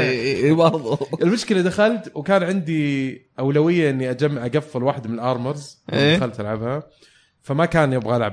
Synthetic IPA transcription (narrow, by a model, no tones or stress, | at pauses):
ebɑɾˤðˤɪlmʊʃkɪlad̪axalt̪wkaːnʕɪnd̪iʔawlawɪjːaʔɪnːiʔad͡ʒamːʔaɡafːɪlwaːħɪd̪mɪnɪlʔɑːɾˤmɑɾˤzɪneːdaxalt̪ʔalʕabha | famakaːnjɪbɣalʕab